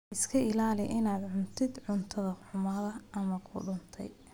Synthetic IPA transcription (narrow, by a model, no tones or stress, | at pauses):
ʔɪskʰɐɪlaːlɪʔɪnaːd̪ʕʊnt̪ʰɪd̪ʕʊnt̪ʰɐðɐħʊmɐːðɐʔɐmɐkʰʊ̰ɖʊnt̪ʰɛ̰j